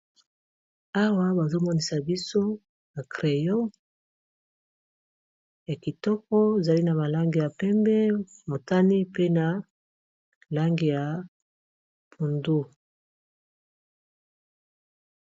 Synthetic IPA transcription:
a˦wa˦ba˨zo˦mɔ˦ni˨sa˨bi˦so˦ | na˨kʁe˨jɔ˦ | ja˨ki˨tɔ˦kɔ˦e˨za˨li˦na˨βa˨la˦ŋɡi˨ja˨pɛ˦mbɛ˦mo˨ta˦ni˦pe˦na˨ | la˦ŋɡi˨ja˨ | pʰu˨ndo˦

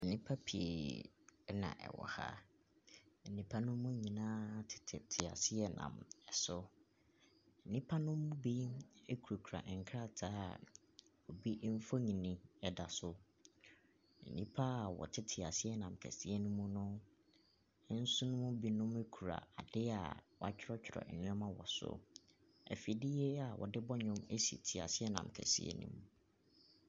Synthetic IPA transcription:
nĩ˦pʰa˦pʰi˨ḛ˨˦ | nã̰˨ʔɛ̰˨wɔ̰˨ha̰˦ | n̩˨nĩ˨pʰa˦nʊ̃ː˦ũ˦ɲĩ˨nãː˦˨tʰɪ̥˨tʰɪ̰˨tʰɪ˨a̰˨sɪ˦ɛ˦nã̰˨mɛ˨sɔ˦ | n̩˨nĩ˦pʰa˦nʊ̃˦mʊ̃˦bi˦e˦kʰɾo˨kʰu˨ɾa̰˨ʔŋ̩˨kʰɾa˦tʰa̰ː˦˨ | o˨bi˦ʔm̩˦fo˦ɲĩ˨nĩ˨ɛ˨da˨sʊ˦ | n̩˨nĩ˦pʰa˦˨wɔ̰˨tʰɪ˦tʰɪ˨a˨sɪ˦ɛ˦nã˨m˨kʰæ̰˨si˦e˦nũ˦mũ˦nʊ̃˦ | n̩˦sʊ˦nʊ̃˦mʊ̃˦bi˦nʊ̃˦me˦kʰu˨ɾa̰˨a̰˨dɪ˦a̰˨wɔ˨a˨t͡ɕᶣʰɪ˦ɾɔ˦t͡ɕᶣʰɪ˨ɾɔ̰˨ɛ̰˨nɪ̃˦ɔ̃˦mã˦wɔ̰˨sʊ̰˦ | ɛ̰˨fi˨dɪ˦jɛ˦a˨wɔ˨dɪ˦bɔ˦ɲʊ̃˦me˦si˨tʰi˨a̰˨sɪ˦ɛ˦nã̰˨m˨kʰæ̰˨sḭ˦ḛ˦nṵ̃˦m˦

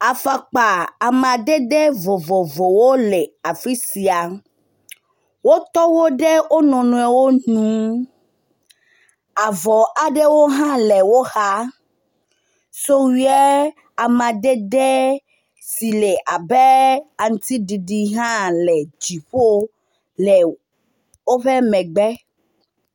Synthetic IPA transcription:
a˨fa˨k͡pa˨a˨m˨ã˨ɖɛ˦ɖɛ˦vo˨vo˨vo˨wo˦lɛ˨a˨fi˦si˨a˨ | wo˦t̪ɔ˦wo˦ɖɛ˦wo˦nɔ̃˨nũ˨ɛ˨wo˦nũ˨˦ | a˨vɔ˨ʔa˨ɖɛ˦wo˦ɦã˦lɛ˨wo˦xa˦ | so˦wi˦ɛ˦ | a˨mã˨ɖɛ˦ɖɛ˦ | si˨lɛ˨ʔa˨bɛ˦a˨ŋũ˦t̪i˦ɖi˨ɖi˨ɦã˦lɛ˨d͡ʒi˨ɸo˦ | lɛ˨ | wo˦ɸɛ˦mɛ̃˨ɡ͡bɛ˦

